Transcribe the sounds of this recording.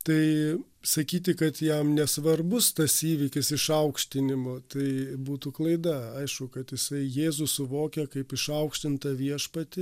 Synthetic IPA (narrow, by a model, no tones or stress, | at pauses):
t̪ɐɪ | sɐkʲiːt̪̬ʲɪkɐt̪jɛmnʲɛsʋɐrbʊst̪ɐsiːʋʲɪkʲɪsɪʃɐʊkʃʲt̪ʲɪnʲɪmoːt̪ɐɪbuːt̪uklˠɐɪd̪ɐɐɪʃkʊkɐt̪jɪsɐɪjeːzʊsʊʋoːkʲɛkɐɪpɪʃɐʊkʃʲt̪ʲɪnt̪ɐʋʲiɛʃpɐt̪ʲɪ